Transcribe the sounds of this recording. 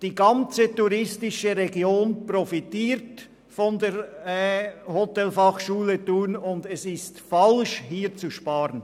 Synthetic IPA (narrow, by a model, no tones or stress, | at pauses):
d̥iːɡɑnt͡sətuɾɪstɪʃəɾeɡjoːnprɔfitiːɾt | fɔndeːɾ | hotɛlfɑχʃuːlətuːnʊndɛsɪstfɑlʃhiːɾt͡suʃpɑːɾən